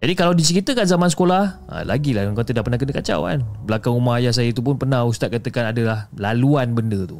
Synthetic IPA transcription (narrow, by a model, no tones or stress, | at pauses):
d͡ʒadikalawdit͡ʃəɾit̪əkanzamansə̥kolahʔa̰la̰ɡilaaŋkat̪ədahpərnahkənəkat͡ʃa̰wa̰nbəlakaŋumaɦajahs̬ajait̪up̬ʊnpərnãhust̪at̪̚kat̪əkanadalahlaluanbəndət̪u